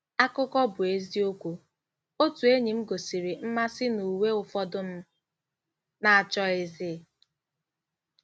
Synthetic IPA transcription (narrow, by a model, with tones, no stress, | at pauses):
a˦kʊ˦kɔ˦bʊ˨e˦zi˦o˦kʷu˦ | o˦tu˨e˦ɲi˨m̩˦ɡo˨si˨ɾi˨m̩˦ma˦sɪ˦nu˨we˦ʊ˨fɔ˦dʊ˦m̩˦ | na˨a˨t͡ʃɔ˦e˨zɪː˦˨